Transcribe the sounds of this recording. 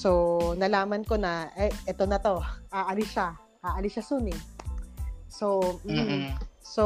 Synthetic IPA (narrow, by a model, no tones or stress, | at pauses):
sonɐlaːmɐnko̞nɐʔɛʔɛt̪onɐt̪o̞ʔaːʔɐlɪʃa | ʔaːʔɐlɪʃasunɪ | som̩ | so